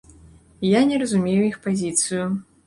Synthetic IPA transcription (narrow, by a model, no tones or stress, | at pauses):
janʲɛɾɐzumʲejuixpazʲit̪sɨju